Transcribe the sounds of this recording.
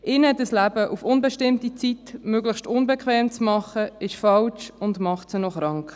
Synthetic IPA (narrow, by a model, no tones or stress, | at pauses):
ʔɪnɛtəslæbəʔufʊnbɛʃtɪmtit͡sitmøɡləχʃtʊnbɛkʰχʋɛːmt͡smɑχəɪʃfɑlt͡ʃʊndmɑχtsənɔχɾɑŋk